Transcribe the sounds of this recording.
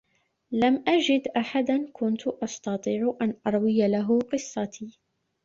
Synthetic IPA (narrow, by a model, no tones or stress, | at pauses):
lamʔad͡ʒɪd̪ʔaħad̪ankʊnt̪ʊʔɑst̪ɑt̪ˤiːʕʔanʔɑɾˤwɪjalaɦʊqɨsˤːɑt̪ʰiː